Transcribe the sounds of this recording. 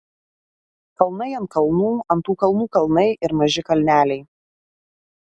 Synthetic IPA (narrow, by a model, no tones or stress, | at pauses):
kɐlˠnɐɪɐnt̪̚kɐlˠnuːɐnt̪uːkɐlˠnuːkɐlˠnɐɪʔɪɾmɐʒʲɪkɐlʲnʲæːlʲɛɪ